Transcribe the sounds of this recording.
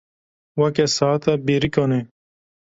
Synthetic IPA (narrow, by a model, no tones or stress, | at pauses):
wɐkesaːt̪ɐbiɾikone